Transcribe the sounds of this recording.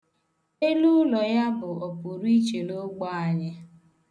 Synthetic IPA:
e˦lu˦lɔ˨ja˦bʊ˨o˨pu˨ɾi˦t͡ʃe˨lo˦ɡ͡bɔ˦a˨ɲɪ˦

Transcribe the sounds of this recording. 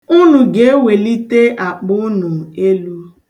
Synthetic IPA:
ʊ˦nʊ˨ɡe˦e˦we˨li˦te˦ʔa˨k͡pʊ˦nʊ˨e˦lu˦

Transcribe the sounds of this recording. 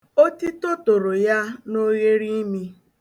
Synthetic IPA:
o˦ti˦to˦to˨ɾo˨ja˦no˦ɣe˦ɾi˦mi˦

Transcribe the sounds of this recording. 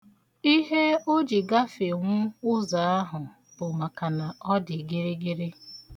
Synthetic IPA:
i˦ɦe˦o˦d͡ʒi˨ɡa˦fe˨ŋʷʊ˦ʊ˦za˨a˦ɦʊ˨ | b̥ʊ˨ma˨ka˨na˨ɔ˦dɪ˨ɡɪ˦ɾɪ˦ɡɪ˦ɾɪ˦

